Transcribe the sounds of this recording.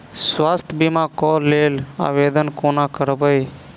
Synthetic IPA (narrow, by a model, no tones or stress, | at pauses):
swaːst̪ʰbimãkɔlela̰ːʋed̪ənkoːnakəɾbəj